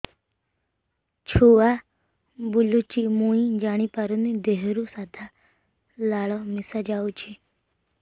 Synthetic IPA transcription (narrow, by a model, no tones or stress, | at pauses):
t͡ʃʰua | bulut͡ʃimuĩd͡ʒaːɽ̃ipaɾunid̪eɦɾusad̪ʱa | laːɭɔmɪsad͡ʒaut͡ʃʰi